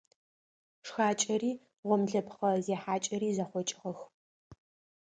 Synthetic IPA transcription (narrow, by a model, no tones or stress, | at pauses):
ʂxaːt͡ʃʼɐɾiː | ʁʷɔmɮɐpχɐzeːħaːt͡ʃʼɐɾiːzɐχʷɔt͡ʃʼɪʁɐx